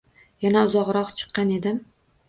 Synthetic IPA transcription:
janaʊzɒʁɾɒqt͡ʃʰɨ̥qːɑne̞d̪ɪm

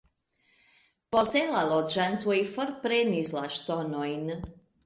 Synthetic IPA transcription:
poselalɔd͡ʒant̪uifɔɾpɾenizlaʃt̪ɔnojn

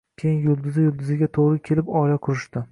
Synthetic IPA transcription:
kʲʰejɪnjʊlˠd̪ʊzɪjʊlˠd̪ɪzɪɡʲat̪ʰoʁɾɪkʲʰe̞lɪpɒlaqʰʊɾɪʃt̪ɪ

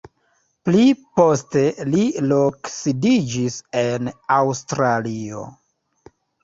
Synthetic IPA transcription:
plipo̞ste̞liloksidid͡ʒise̞nawstɾalio̰

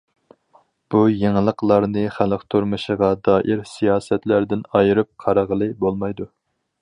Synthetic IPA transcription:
b̥ujeŋɨlˠəqlˠɑɾnɨχæləqt̪ʰuɾmɨʃəʁɑd̪ɑːʔiɾsijɑːsɛt̪læɾd̪ɪnɑjɨɾɨp̚qʰɑɾəʁəlˠɨbolˠmɑjd̪u

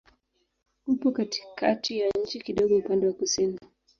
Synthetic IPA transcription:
hupɔkati̥kʰa̰tijaɲ̩t͡ʃikiɗɔɠɔupandɛwakusini

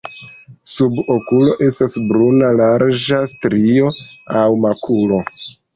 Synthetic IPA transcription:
subokulo̞ʔe̞stasbɾunalaɾd͡ʒastɾio̞awmakʰulo̞

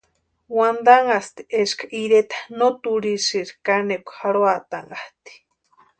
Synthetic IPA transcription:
wand̪aŋast̪i̥ʔeʃkʰaʔiɾet̪ḁnot̪uɾisiɾkanekʷhaɾoat̪aŋaht̪i̥

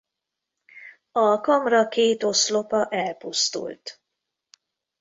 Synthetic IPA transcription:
ɒkɒmrɒkeːt̪o̞slo̞pɒʔɛlpust̪ṵlt̪

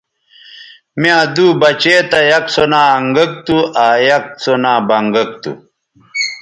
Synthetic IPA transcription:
mijãːd̪uːbɐt͡ɕeːt̪ɐjɐk̚t͡sonaːɐŋɡɐk̚t̪uʔaːjɐk̚t͡sonaːbɐŋɡɐk̚t̪ṵ

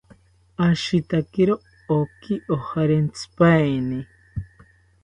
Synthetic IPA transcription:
aʃit̪akeɾoː | kiʔohaɾent͡sʰɨ̥pajni

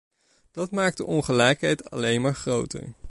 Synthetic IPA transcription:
d̥ɑtmaːk̚dəʔɔnχəlɛjkɦɛjtɑ̰lejnmaːɹχrowtə̰ɹ

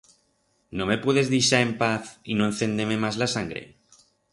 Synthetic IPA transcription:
no̞me̞pweðe̞zðiʃae̞mpaθino̞en̟θe̞nd̪eme̞mazlasaŋɡɾe̞̰

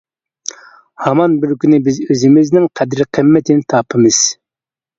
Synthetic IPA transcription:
hɑmɑnbɪɾkʲynɪbɪzøzɪmɪznɪŋqʰɛd̪ɾqʰəmːɛt̪ʰɪnɪt̪ʰɑpʰɨmɨz̥

